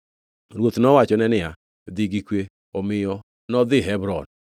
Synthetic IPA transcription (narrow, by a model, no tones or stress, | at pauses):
ɾwot̪nɔwat͡ʃɔnɛnɪa | d̪iɡikwe | omɪjɔ | nɔd̪ɪɦɛbɾɔn